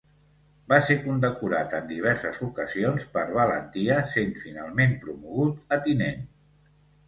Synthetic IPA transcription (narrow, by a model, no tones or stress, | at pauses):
basekund̪əkuɾat̪ənd̪iβ̞ɛɾsəzukəzionspəɾβələnt̪iəsent̪finalˠmempɾumuɣut̪ət̪inen